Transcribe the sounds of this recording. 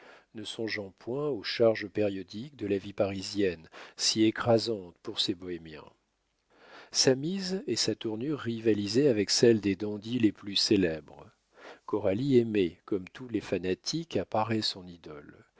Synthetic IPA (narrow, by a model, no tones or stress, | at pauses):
nəsɔ̃ʒɑ̃pwɛ̃oʃaʁʒəpeʁjɔd̪ik̚d̪əlavipaʁizjɛnsiekχazɑ̃t̪puʁsebɔemjɛ̰̃ | samizesat̪uʁnyʁːivalizeavɛksɛld̪ed̪ɑ̃d̪ileplyselɛbʁ | kɔʁaliemɛkɔmt̪ulefanat̪ʰikapaʁɛsɔ̃nid̪ɔl